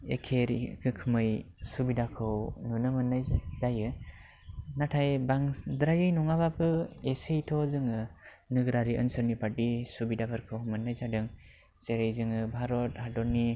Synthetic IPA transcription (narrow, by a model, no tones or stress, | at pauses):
ḛkʰeɾkʰɯkʰɯmɯj | subidakʰɯwnunɯmɯnːajzajɯ | natʰajbaŋdɾajɯjnɔŋabapʰɯesejtʰɔzɯŋɯ | nɯɡɾaɾiʔɯ̰nsɯɾnipatisubidabaɾkʰɯwmɯnːajzadɯŋ | seɾɯjzɯŋɯbʱaɾɔt̚hadɔɾni